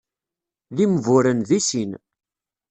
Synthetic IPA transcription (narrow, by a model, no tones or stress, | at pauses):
ðimvʊɾənðisin